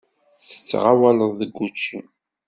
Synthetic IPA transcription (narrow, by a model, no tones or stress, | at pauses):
θθə̥t͡sːʁawæləðˤðəɡːut͡ʃːi